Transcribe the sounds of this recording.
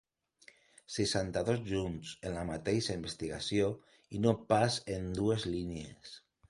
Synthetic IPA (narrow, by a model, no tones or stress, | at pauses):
sesant̪aðozʒunsenlamat̪ejʃaimbest̪iɣa̰sjo | inopasend̪uezlinjḛs